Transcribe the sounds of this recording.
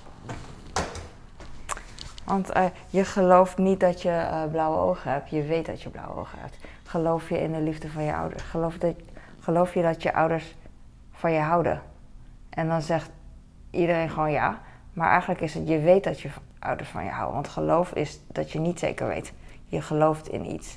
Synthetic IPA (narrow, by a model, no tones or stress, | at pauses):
ʋɑntə | jəχəlowftnit̚dɔtjəblawəo̰wχəɛp̚tjəʋejtdɔ̰tjəbla̰wə̰o̰wxəhɛ̰p̚t | χəlowfjəɪ̰ndəlivdəfɔnjə̰ʔa̰wdə̰ɹsχəlof | χəlowfjədɔtjəʔa̰wdəɹs | fɔnjəɦawdə̰ | ʔɛndɔnzɛχt | ʔidərenχəʋoːnja̰ | maːɹʔɛ̰jχənləkɪsətjəʋejt̚dɔtjə | ʔʌ̰wdə̰ɹsfɔ̰njə̰ɦa̰wʋɑ̰ntχəlowfɪ̰sd̥ɔtjənitsḛːkəɹʋḛjt | jəχəlowftʰɪ̰nḭts